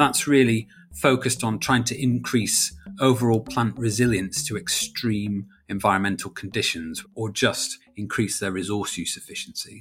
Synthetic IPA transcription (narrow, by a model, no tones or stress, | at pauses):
ðatsɹɪəli | foʊkəstn̩tʰɹ̥aɪɪ̃ŋtʰəɪ̃nkʰɹ̥iˑsoʊvəɹɔːlˠpʰl̥ãnʔɹɪzɪljə̃nstʰəɛkstɹ̥ĩːm | ɛ̃ɱvaɪɹə̃nmɛ̃ntʰˡəl̩ˠkʰə̃n̩dɪʃə̃nzəd͡ʒʌst | ɪ̃nkʰɹ̥iˑsðəɹɪzɔˑsjʉˑsɪfɪʃn̩si